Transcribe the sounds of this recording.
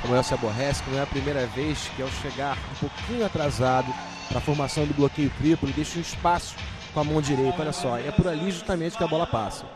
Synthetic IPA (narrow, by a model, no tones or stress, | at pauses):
ɐmuɾɛwsɪaboɦɛsɪ̥knɐ̃w̃ɛɐpɾimejɾɐvejʃkɪawʃeɡaɾũpokʰĩɲʊat̪ɾazad̪ʊ | pɾɐafoɾmasɐ̃w̃d̪ʊblokejʊt̪ɾipʊlʊd̪ejʃɐũiʃpasʊ̥ | kõɐmɐ̃w̃d͡ʒiɾejt̪ʊɔʎʲɐsɔɛpʊɾaliʒuʃt̪amẽnt͡ʃɪ̥kɪɐbɔlɐpasɐ